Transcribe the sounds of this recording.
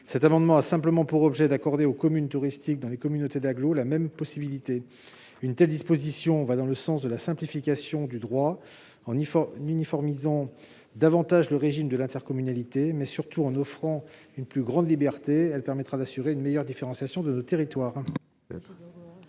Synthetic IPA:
sɛt̪amɑ̃d̪mɑ̃asɛ̃pləmɑ̃puʁɔbʒɛd̪akɔʁd̪eokɔmynt̪uʁist̪ik̚d̪ɑ̃lekɔmynot̪ed̪aɡlolamɛmpɔsibilit̪e | ynt̪ɛld̪ispozisjɔ̃vad̪ɑ̃ləsɑ̃sd̪əlasɛ̃plifikʲasjɔ̃d̪yd̪ʁwa | ɑ̃nynifɔʁmizɑ̃ | d̪avɑ̃t̪aʒləʁeʒimd̪əlɛ̃t̪ɛʁkɔmynalit̪emɛsyʁt̪uɑ̃nɔfχɑ̃ynplyɡʁɑ̃d̪libɛʁt̪eɛlpɛʁmɛt̪χad̪asyʁeynmejœʁd̪ifeʁɑ̃sjasjɔ̃d̪ənot̪eʁit̪waːʁ | ɛ

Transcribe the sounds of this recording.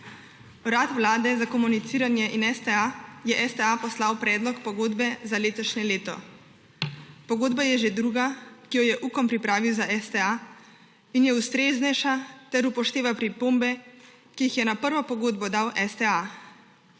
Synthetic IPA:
ɾat̪ʋwlaːd̪ɛzakɔmunit̪siːɾanjɛʔinɛst̪ɛajɛʔɛst̪ɛapɔslawpɾɛːd̪lɔkpɔɡoːd̪bɛzaleːt̪ɔʃɲɛleːt̪ɔ̰ | pɔɡoːd̪bajɛʒed̪ɾuɡakijɔjɛʔukɔmpɾipɾaːʋiwzaʔɛst̪ɛa | injɛust̪ɾeːznɛʃat̪ɛɾupɔʃt̪eːʋapɾipoːmbɛ | kijixjɛnapəɾʋɔpɔɡoːd̪bɔd̪awʔɛst̪ɛa

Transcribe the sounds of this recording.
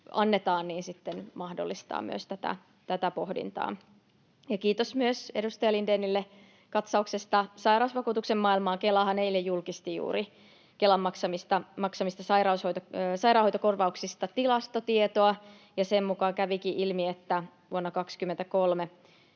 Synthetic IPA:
ɑnːet̪ɑːnniːnsit̪ːenmɑhdo̰lːist̪ɑ̰ːmmy̰ø̰st̪æt̪æ̰ | t̪æt̪æpohdḭnt̪ɑ̰ː | jɑkiːt̪osmyøsedust̪ɑjɑlindenːilːe | kɑt̪sɑuksest̪ɑsɑirɑusʋɑkuːt̪uksemmɑːilmɑːkelɑhɑnneilːejjulkist̪ijṵːɾi | kelɑmːɑksɑmist̪ɑmɑksɑmist̪ɑsɑiɾɑushojt̪osɑirɑːˑhoit̪okorʋɑuksist̪ɑt̪ilɑst̪ot̪iet̪oɑ | jɑsemmukɑːkæʋikiʔilmiet̪ːæ | ʋuonːɑkɑkskymːent̪ækolme

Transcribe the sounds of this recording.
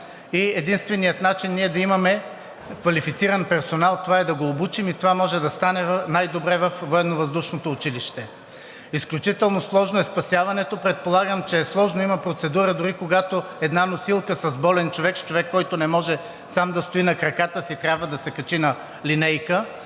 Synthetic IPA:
iɛd̪inst̪vɛnijət̪nat͡ʃinːiɛd̪ɐimɐmɛ | kvɐlifit̪siɾɐnpɛɾsonalˠt̪ovaɛd̪ɐɡoːbut͡ʃimit̪ovamɔʒɛd̪ɐst̪anɛvnajd̪obɾɛvɐfvoɛnːovɐzd̪uʃnot̪oːt͡ʃiliʃt̪ɛ | isklʲut͡ʃit̪ɛlˠnoslˠɔʒnʊɛspɐsʲjavɐnɛt̪opɾɛt̪̚polˠaɡəmt͡ʃɛːslˠɔʒnoimɐpɾot̪sɛd̪uɾəd̪ʊɾikoɡat̪oɛd̪nanosilˠkəsɐzbɔlɛnt͡ʃovɛkst͡ʃovɛkːɔjt̪onɛmɔʒɛ | samd̪ɐst̪oinɐkɾɐkat̪əsit̪ɾʲjabvəd̪ɐsɛkɐt͡ʃinɐ | linɛjkə

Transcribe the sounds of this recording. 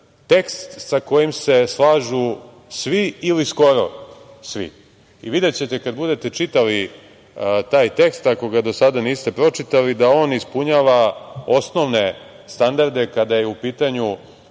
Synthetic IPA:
t̪e̞kst̪t̪sako̞jimse̞slˠaːʒu | sʋiilisko̞ɾo̰ | sʋḭ | iʋid̪et͡ɕet̪e̞kad̪bud̪e̞t̪e̞t͡ʃit̪ali | t̪aːjt̪e̞kst̪ako̞ɡad̪o̞sad̪aniːst̪e̞pɾo̞t͡ʃit̪alid̪ao̞ːnispuɲaːʋao̞sno̞ʋne | st̪and̪aɾd̪e̞kad̪ajeupiːt̪aɲu

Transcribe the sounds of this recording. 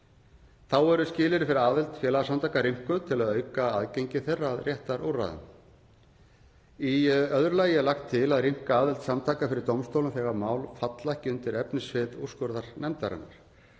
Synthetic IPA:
θawɛɾʏscɪːlɪɾɪfɪɾɪɾaːðɪlt̪fjɛːlasamt̪ʰaːkaɾim̥kʏt̪ʰɪlaðœːɥkaaðcejɲcɪθɛrːaːðrjɛht̪aɾʔo̰wra̰ðʏ̰m | iœðɾlajɛlaxt̪ʰːɪlaðrim̥kaaːðɪlt̪samt̪ʰaːkafɪɾɪɾ̥t̪owmst̪owlʏmfɛːɣaɾmaːwlfat̪lahcɪʏnt̪ɪɾɛpnɪsvɪːt̪uwskɔɾðaɾ̥nɛmt̪aɾɪ̰nːa̰ɾ̥

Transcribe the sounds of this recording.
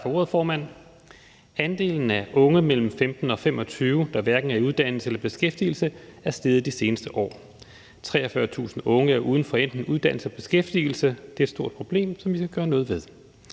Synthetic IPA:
fɒo̝ːɐð̩ˠfɒːmæn̰ | ænd̥e̝̰ːln̩æʔɔ̽ŋəmel̰m̩femd̥n̩ɒ̽femɒ̽t͡sʰyːʊd̥ɑ̈ʋæɐɡ̥n̩æɐiuð̞ˠd̥æn̰l̩səelɐb̥e̝sɡ̥efd̥ḭːl̩səæɐsd̥eːð̩ˠd̥ise̝ːnəsd̥əʔɒ̰ː | t͡sʰʁɛ̰ːɒfɶːɐt͡sʰṵːsn̩ɔ̽ŋəæɐʔuːð̞ˠn̩fɒ̽en̰d̥nŋ̩uð̞ˠd̥æn̰l̩səɒb̥e̝sɡ̥efd̥il̩səd̥e̝æɐed̥sdo̝ɐ̰d̥̚pʰʁo̝b̥le̝̰ːmsɒ̽mʋiskæɡ̥ɶːɐnɔ̽ːðˠʋe̝ð̞ˠ

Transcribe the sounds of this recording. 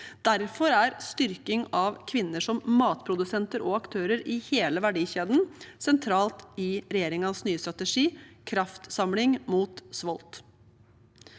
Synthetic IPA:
d̪̥æɾfɔɾæɾst̪ʏɾkɪŋɑʋkʰʋɪnːəʂɔmmɑːt̪pʰɾʊd̪ʉsɛnt̪əɾʔɔɑkt̪ʰøːɾəɾɪheːləʋæɖiːçeːd̪n̩sɛnt̪ʰɾɑːlt̪ɪɾɛjeːɾɪŋɑnsnyːəst̪ɾɑt̪əʂiːkʰɾɑft̪sɑmlɪŋmuːt̪sʋɔlt̪

